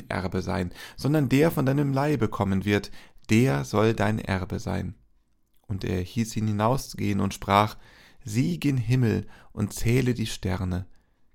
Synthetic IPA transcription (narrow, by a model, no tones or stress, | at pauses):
ʔɛ̰ɐbəza̰ɪnz̥ɔndɐndeːɐfɔndaɪnəmlaɪbəkʰɔmənvɪɐtd̥eːɐzɔldaɪnʔɛ̰ɐbəza̰ɪn | ʔʊntʔḛːɐhiːsʔiːnhɪnaʊst͡suɡ̥eːənʊntʃpʁ̥aːχ | ziːɡɪnɦɪml̩ʔʊ̰ntt͡sɛːlədiːʃtɛɐnə